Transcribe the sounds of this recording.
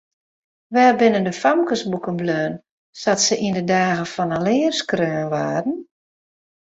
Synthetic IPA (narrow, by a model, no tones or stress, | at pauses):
ʋɛːbɪnəndəfamkəsbukənbløːn | satsəʔindədaːɣəfɔnəlɪːərskrøːnʋaːdn̩